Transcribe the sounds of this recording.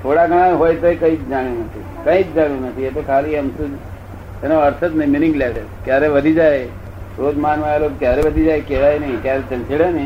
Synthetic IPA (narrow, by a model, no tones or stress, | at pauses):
t̪ʰoɽaɡəɽ̃ajɦojt̪oikəĩt͡ʃd͡ʒaɽ̃jũnət̪ʰi | kəit͡ʃd͡ʒaɽjũnət̪ʰiet̪okʰaliəmsud͡ʒ | enoəɾsʰət̪nẽmɪnɪ̃ŋɡlaɽe | kjaɾeʋəd̪ʱid͡ʒaj | ɾoːd̪manʋaelot̪kjaɾeʋəd̪ʱid͡ʒajkeʋajenəĩkjaɾet͡ʃə̃nt͡ʃiɽenəĩ